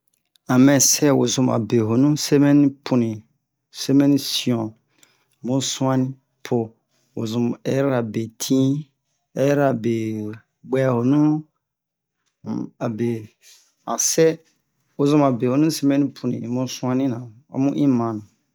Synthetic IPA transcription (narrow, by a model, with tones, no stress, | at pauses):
ã˨mɛ̃˨sɛ˦˨wo̰˨zũ˨ma̰˨be˨ɦo˨nũ˦se˦mɛ˦ni˦pʰu˨nĩ˨ | se˦mɛ̃˦ni˦si˨ɔ̃˨ | mũ˦sũ˦ã˦nĩ˦ | pʰo˨ | wo˨zũ˨mɛ˨˦ɾa˨be˨tʰĩ˦ | ɛ˨˦ɾa˨be˨ | ɡ͡bɛ˦˨ho˨nũ˦˨ | a˨be˨ | ã˨sɛ˦ | wo˨zũ˦ma˨be˨ho˨nũ˦se˦mɛ̃˦nĩ˦pʰu˨nḭ̃˨mũ˦sũ˦ã˦nĩ˦nã˨ | ɔ̰˦mũ˦ʔĩ˦mã˨nã˨